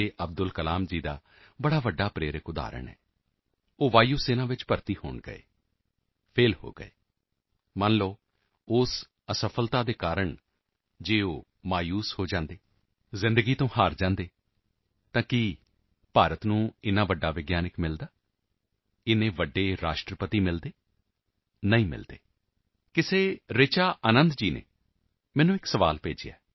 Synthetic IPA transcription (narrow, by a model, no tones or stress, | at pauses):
eːʔəb̚d̪ʊlkəlaːmd͡ʒiːd̪a̰ː | bəɽaːʋəɖːaːpɾeːɾəkʊd̪a̰ːɾə̰ɳɛ̰ː | oːʋaːjuːseːnãːʋɪt͡ʃpəɾt̪iːho̰ːɳɡə̰ḛː | pʰeːlho̰ːɡə̰ḛː | mənloː | ʊs | əsəpʰəlt̪aːd̪eːkaːɾəɳ | d͡ʒeːoː | maːjuːshoːd͡ʒãːnd̪eː | zɪ̃nd̪əɡiːt̪õːhaːɾd͡ʒãːnd̪eː | t̪ãːkɪ | paːɾət̪nũːɪnaːʋəɖːaːʋɪɡjaːnɪkmɪld̪aː | ɪnẽːʋəɖːeːɾa̰ːʃʈɾəpət̪iːmɪld̪eː | nəĩːmɪ̰ld̪ḛː | kɪseːɾet͡ʃaːʔənə̃nd̪d͡ʒiːnḛː | mɛ̃ːnũːɪksəʋa̰ːlpḛːd͡ʒeja̰ː